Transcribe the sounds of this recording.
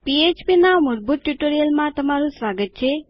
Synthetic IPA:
piet͡ʃpinamuɾbʱut̪̚ʈjuʈoɾijəlmãt̪əmaɾũsʋaɡət̪̚t͡ʃʰe

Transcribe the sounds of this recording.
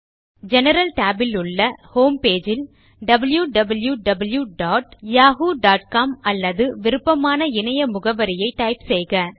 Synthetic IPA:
d͡ʒɛnɐɾɐlʈaːbɪlʊɭːɐhoːmpeːd͡ʒɪl | ɖɐbɐljuɖɐbɐljuɖɐbɐljuɖaːʈjaːɣuːɖaːʈ̚kaːmɐlːɐðɯʋɪɾɯpːɐmaːnɐɪnɐjɐmʊɣɐʋɐɾɪjɐɪʈːɐɪpsɛjɣɐ

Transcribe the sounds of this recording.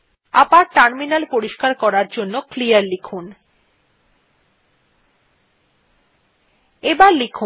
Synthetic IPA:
a̰paɾʈaɾminalpoɾiʃkaɾkɔɾaɾd͡ʑonːoklijaɾlikʰun | ebaɾlikʰu

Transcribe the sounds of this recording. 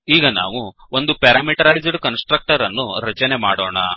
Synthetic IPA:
iːɡɐna̰ːʋuond̪upɛɾaːmiʈɐɾaːjd͡ʒɖkɐnsʈɾɐk̚ʈɐɾɐnːuɾɐt͡ʃɐne̞maːɽoːɳɐ̰

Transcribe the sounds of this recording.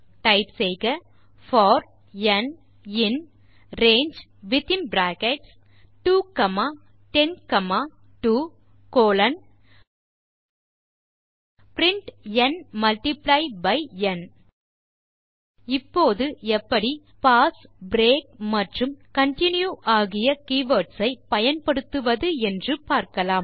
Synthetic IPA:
ʈɐɪpsɛjɣɐ | fɔːɾ | ɛn | ɪn | ɾeːnd͡ʒ | ʋɪt̪ɪmbɾaːkɛʈs | ʈuːkɐmaː | ʈɛnkɐmaː | ʈuː | koːlɐn | pɾɪɳʈɛnmɐlʈɪplɐɪbɐɪɛn | ɪpːoːðɯɛpːɐɽi | paːsbɾeːk̚mɐʈrɯmkɐɳʈɪnjuʔaːɣɪjɐkiːʋɐːɾʈsɐɪpɐjɐnpɐɽɯt̪ːɯʋɐðɯɛndrɯpaːɾkɐlaːm

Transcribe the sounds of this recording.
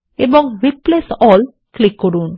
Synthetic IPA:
ebɔŋɾiplesɔl | klikːɔɾuːn

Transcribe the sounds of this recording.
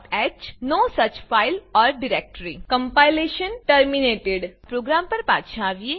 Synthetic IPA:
ɛːt͡ʃnoːsɐt͡ʃfaːɪlɔːɾɖɪɾɛːk̚ʈɾikə̃mpaːɪleːʃənʈəɾmineːʈeɖpɾoːɡɾãːmpɐɾpa̰ːt̪ʃãːʋie

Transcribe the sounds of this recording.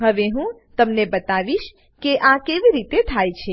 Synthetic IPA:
ɦəʋeɦũ | t̪əmnebət̪aʋiʃ | keʔakeʋiɾit̪et̪ʰajt͡ʃʰe

